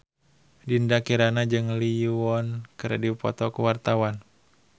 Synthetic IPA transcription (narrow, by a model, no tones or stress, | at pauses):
dindakiɾanad͡ʒɨŋliuɔnkɨɾadipɔ̰t̪ɔkuwart̪awan